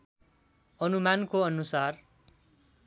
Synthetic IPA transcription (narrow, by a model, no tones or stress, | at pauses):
ʌnumankoʌnusar